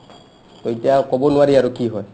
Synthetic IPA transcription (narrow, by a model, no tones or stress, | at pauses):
tɔitiakɔbɔnwaɾiaɾukiɦɔj